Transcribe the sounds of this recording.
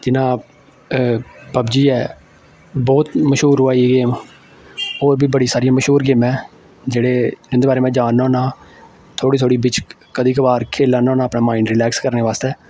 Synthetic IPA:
d͡ʒɪnãː | pəbd͡ʒiːɛː | bɔːt̪məʃɦuːɾʊaːiɡeːm | ɦoːɾbiːbəɽiːsaːɾijãːməʃɦuːɾɡeːmɛ̃ː | d͡ʒeːɽeːʊ̃nd̪eːbaːɾeːmɛ̃ːd͡ʒaːnːãːnãː | t̪ʰoːɽiːt̪ʰoːɽiːbɪt͡ʃ | kəd̪iːkəbaːɾkʰeːlaːnãːnãːəpnaːmaːɪɳɖɾɪlɛːkskəɾneːʋaːst̪ɛː

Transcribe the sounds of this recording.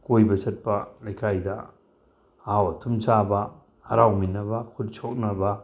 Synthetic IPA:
kojbɐsɐt̚pɐlajkʰajdɐ | awtʰumt͡ʃabɐ | hɐɾawminɐbɐkʰut̚t͡ʃʰok̚nɐbɐ

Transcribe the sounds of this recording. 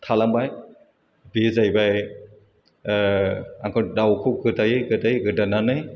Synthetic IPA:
tʰalambaj | bizajbaj | aŋkʰɯdawkʰuɡɯtʰajɯjɡɯtajɡɯdananɯj

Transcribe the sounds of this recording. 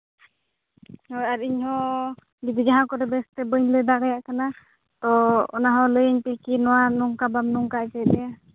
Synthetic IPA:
hɔjaɾiɲhɔ | bid͡ʒid͡ʒaɦãkɔɾɛbɛst̪ɛbəɲləd̪aɽɛjaʔkana | t̪ɔɔ̰naɦɔləjəɲpikinɔwanɔŋkabamnɔŋkaɛd͡ʒəd̪ɛa

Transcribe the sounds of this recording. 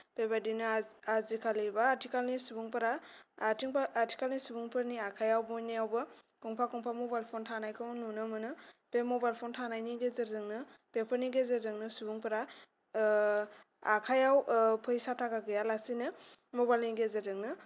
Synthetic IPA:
pebadinɯazikʰalibaːɾtʰikalnisubuŋpɯɾaːtʰiŋpaaɾtʰi̥kalnisubuŋpɯɾaniakʰajawbɔniawbɯ | kɔŋpʰakɔŋpʰamɔbajlpʰɔntʰanajkʰɯwnunɯmɯnɯpemɔbajlpʰɔntʰanajniɡezeɾzɯŋnɯpepʰɯniɡezeɾzɯŋnɯsubuŋpɯɾa | akʰajawpʰɯjsatʰaɡaɡɯjalasinɯmɔbajlniɡezezɯŋnɯ

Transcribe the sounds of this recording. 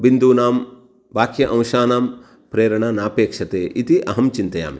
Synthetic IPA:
bind̪uːnaːm | bʱaːkjɐʔɐ̃w̃ʃaːnaːm | pɾeːɾɐɳanaːpeːkʂɐt̪eːʔit̪iʔɐɦɐmt͡ʃint̪ɐja̰ːm

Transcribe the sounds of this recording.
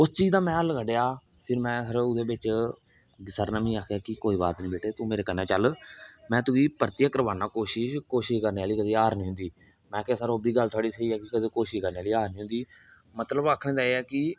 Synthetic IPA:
ʊst͡ʃiːzd̪ãːmɛ̃ːəlkəɖejaː | pʰɪɾmɛ̃ːɦəɾʊd̪eːbɪt͡ʃ | səɾnamĩːaːkʰjaːkɪkoːiːba̰ːt̪nĩːbeːʈeːt̪ũːmeːɾeːkənːẽːt͡ʃəlmɛ̃ːt̪ʊɡiːpəɾt̪jəkəɾəbaːnaːkoːʃɪʃkoːʃɪʃkəɾneːaːliːkəd̪iːaːɾnĩːɦʊ̃nd̪iː | mɛ̃ːkːsəɾoːbiːɡəlt̪ʰoaːɽiːsəiːɛːkɪkəd̪eːkoːʃɪʃkəɾneːaːliːaːɾnĩːɦʊ̃nd̪iː | mət̪ləbaːkʰːɳẽːd̪aːeɛːkɪ

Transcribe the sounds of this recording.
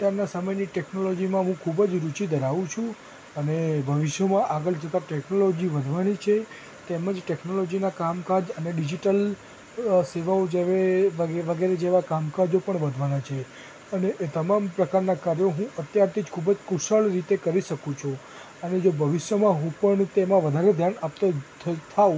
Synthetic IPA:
ʈaɾnasəməjniʈɛknolod͡ʒimãɦũkʰubəd͡ʒɾut͡ʃid̪ʱəɾaʋũt͡ʃʰũ | ənebʱəʋɪʃjəmãʔaɡəɭd͡ʒʱət̪aʈeknolod͡ʒiʋəd̪ʱʋanit͡ʃʰe | t̪eməd͡ʒʈeknolod͡ʒinakamkad͡ʒəneɖid͡ʒiʈəl | seʋaod͡ʒeʋeʋəʋəɡeɾed͡ʒeʋakamkad͡ʒopəɳʋəd̪ʱʋanat͡ʃʰe | əneʔet̪əmampɾəkaɾnakaɾjoɦũʔət̪jaɾt̪ʰid͡ʒkʰubəd͡ʒkuʃəɭɾit̪ekəɾiʃəkũt͡ʃʰu | əned͡ʒobʱəʋɪʃjəmãɦũpəɳt̪emãʋəd̪ʱaɾed̪ʱjanap̚t̪at̪ʰt̪ʰau

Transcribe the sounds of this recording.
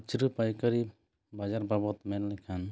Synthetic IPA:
t͡ʃiɾɯpajkaɾi | bad͡ʒaɾbabɔt̪mɛllakʰan

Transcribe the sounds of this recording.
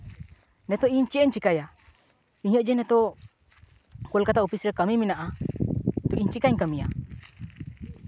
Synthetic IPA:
nɛt̪oiɲt͡ʃiɛɲt͡ʃikaja | iɲəʔd͡ʒɛnɛt̪o | kolkat̪aupisɾɛkamiminaʔa | t̪oʔiɲt͡ʃikaɲkamia̰

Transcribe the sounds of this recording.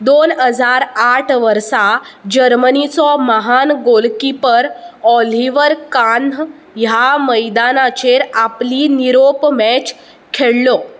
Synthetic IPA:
d̪onɦəd͡zʱaɾaʈʰʋəɾsad͡ʑəɾmənit͡sɔməɦanɡolkipəɾɔliʋəɾkan | jaməjd̪anat͡ɕeɾapliniɾopmɛt͡ɕ | kʰeɭlɔ

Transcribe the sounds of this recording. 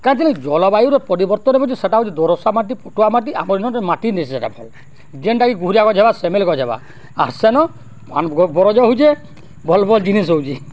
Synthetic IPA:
kaɾ̃t̪ilẽkd͡ʒɔlɔbajuɾɔpɔɾibɔɾt̪ɔnebɔd͡ʒiseʈaɦud͡ʒid̪ɔɾɔsamaʈ̬ipoʈuamaʈ̬ia̰mɔɾinɔʈɔmaʈind̪esiseʈabʱɔ̰l | d͡ʒeɳʈaɡiɡuɦuɾijakɔd͡ʒʱebasemelkɔd͡ʒʱeba̰ | a̰ɾsenɔ | banɡɔbɔɾɔd͡ʒɔɦud͡ʒe | bɔlbʱɔld͡ʒinis̬owd͡ʒi

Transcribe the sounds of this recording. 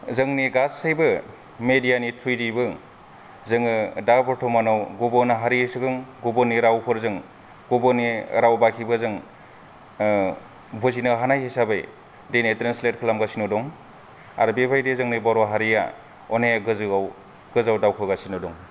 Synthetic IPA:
zɯŋniɡasajbɯ | medijanitʰujdibɯ | zɯŋɯdapɔɾtʰɔmanawɡubɔnaɦaɾisɯɡɯŋɡubɔniɾawpʰɯɾzɯŋ | ɡubɔniɾawbakʰibɯzɯŋ | buzinɯɦanajhisabɯj | dejnetɾanslet̚kʰlamɡasinɔdɔŋ | a̰ɾbebʰʱajdezɯŋnibaɾɔɦaɾija̰ | ɔnejaɡɯzɯaw | ɡ̥ɯzawdawkʰɯɡasinɔdɔŋ

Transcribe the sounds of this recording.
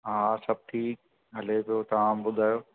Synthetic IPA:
ɦaːsɐb̚ʈʰiːk̚ | ɦɐlepijot̪ɐʋaːmbʊd̪ʱaːjoː

